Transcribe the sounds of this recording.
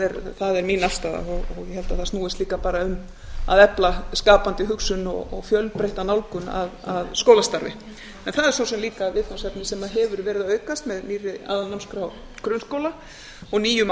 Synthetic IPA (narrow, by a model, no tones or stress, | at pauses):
ðɛɾθaðɛɾminafst̪aːða̰ɔɣɔɣjɛhɛlt̪aθasnuːɪst̪liːkapaːɾaʏm | a̰ðɛplaskaːpant̪ɪɦʏksʏnɔ̰ɣɔɣfjœlpɾeht̪anawlkʏna̰ðaðskoːwlast̪aɾvɪ̰ | ɛnθaðɛɾsosɛmliːkaðvɪðkansap̪nɪsɛmaðɦɛvʏɾvɛːɾɪðaœːɥkast̪mɛðniːrɪa̰ːðalnamskɾaw | kɾʏnskoːwla | ɔɣniːjʏm